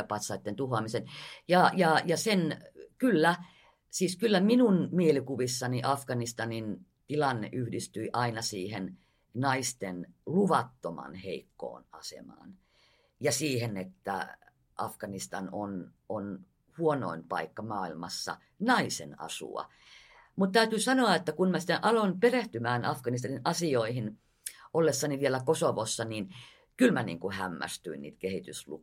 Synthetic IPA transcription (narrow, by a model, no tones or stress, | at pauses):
pɑt̪sɑit̪ːent̪uhoɑmisenjɑjɑjɑsenkylːæ | siːskylːæminunmielikuʋisːɑniʔɑfɡ̥ɑnist̪ɑnin | t̪ilɑnːḛʔyhdist̪yiʔɑinɑsiːhen | nɑist̪enluʋɑt̪ːomɑ̰nheikːo̰ːnɑsḛmɑ̰ːn | jɑsiːhenet̪ːæ̰ | ʔɑfkɑnist̪ɑnon | on | huono̰impɑikːɑmɑːilmɑsːɑ̰ | nɑisḛnɑ̰sṵɑ̰ | mut̪t̪æyt̪ysɑnoɑet̪ːækunmæsi̥t̪ːeʔʔɑlonpereht̪ymæːnɑfkɑnis̬t̪ɑninɑsioihin | ʔolːesːɑniʋielækosoʋosːɑnin | kylmænḭːŋkuhæmːæ̰st̪yinnḭːt̪kehit̪yslṵ